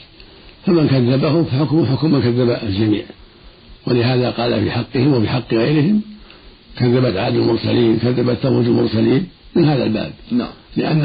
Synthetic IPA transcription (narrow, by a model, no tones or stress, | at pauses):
famankaðːabahʊmfaħʊkmħʊkʊmːankaðːabaʔald͡ʒamḭːʕ | wɪlɪɦaːðaqɑːla̰fḭħɑqːɨhɪmwɪfiːħɑqːɣajɾɪhɪm | kaðːabat̪ʕaːd̪ɪlmʊɾˤsa̰liːnkaðːabat̪ːamuːd̪ɪlmʊ̰ɾˤsaliːnmɪnhaːða̰lba̰ːb̚lɪʔa̰nː